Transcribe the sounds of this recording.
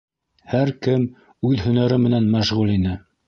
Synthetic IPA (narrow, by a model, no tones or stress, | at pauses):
hæɾkɘm | ʉðhɵ̆næɾɘmɘ̆nænmæʃʁʉlinɘ